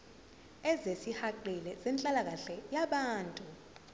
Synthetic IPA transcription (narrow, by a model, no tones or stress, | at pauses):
ɛzesihaǃilɛzɛnt͡ɬʼalak̬aɬɛjaɓaːntʼu